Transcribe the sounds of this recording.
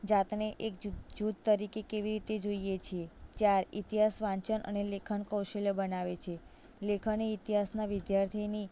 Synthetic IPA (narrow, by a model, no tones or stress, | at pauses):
d͡ʒat̪neʔekd͡ʒut̪̚t̪əɾikekeʋiɾit̪ed͡ʒoijet͡ʃʰiet̪jaɾḭt̪iɦasʋãɲt͡ʃənʔə̰nelekʰənkəwʃeljəbənaʋet͡ʃʰe | lekʰəneit̪iɦasnaʋɪd̪jaɾt̪ʰini